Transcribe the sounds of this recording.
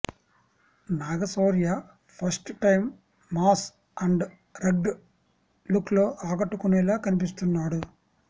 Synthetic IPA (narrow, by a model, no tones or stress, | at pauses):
naːɡɐsoːɾijaː | pʰɐɾsʈʈɐjmː | aːs | ɐɳɖ | ɾeɡɖ | lukloːʔaːɡɐʈːukunɛlaːkɐnip̬ist̪unːaːɽu